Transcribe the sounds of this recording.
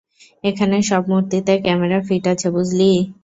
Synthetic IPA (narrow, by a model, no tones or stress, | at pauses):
ekʰaneʃɔbmuɾt̪it̪ekɛmeɾaɾfiʈat͡ɕʰebud͡ʑʱli